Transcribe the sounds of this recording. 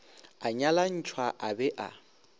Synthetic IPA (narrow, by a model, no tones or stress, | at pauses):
aɲalan̩t͡ʃʰwaʔabɛʔa̰